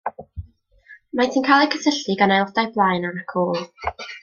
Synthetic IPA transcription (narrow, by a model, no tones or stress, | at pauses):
matʰinkʰalˠɛkʰəsʰəɬɨɡanajlˠɔdajblˠaːjnaakʰoːlˠ